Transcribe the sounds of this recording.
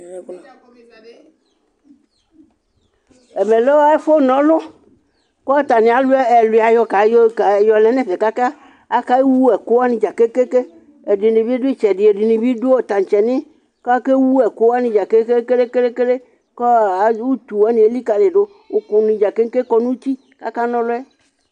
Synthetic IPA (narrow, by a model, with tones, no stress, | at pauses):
e˨me˨le˦wa˦e˦fo˦nɔ̃˨lo˦ | kɔ˦t̪a˨nĩ˨˦a˨lu˦ɛ˦ɛ˨lu˨a˨jɔ˦ka˨jo˦ka˨jɔ˨lɛ˨˦nɛ̃˨ve˨ka˦ka˦ | a˦ka˦wu˦ɛ˨ko˦a˦nĩ˨d͡ʒa˨ke˦ke˦ke˦ | e˨di˨nĩ˨bi˦ɖo˦e˦t͡ʃɛ˨di˨e˨di˨nĩ˨bi˦ɖo˦o˨t̪a˨t͡ʃɛ˨nĩ˦ | kɔ˦ke˦wu˦ɛ˨ko˦wa˦nĩ˨d͡ʒa˨ke˦ke˦ke˦le˦ke˦le˦ke˦le˦ | kɔ˦a˨˦wu˦t̪u˨wa˦nĩ˨e˨li˦ka˨le˨ɖo˦ | wo˨ku˨nĩ˨d͡ʒa˨ke˦ŋ˦ke˦kɔ˦nũ˦t͡ɕi˦ | ka̰˦ka˦nɔ̃˦lʊ˦ɛ˦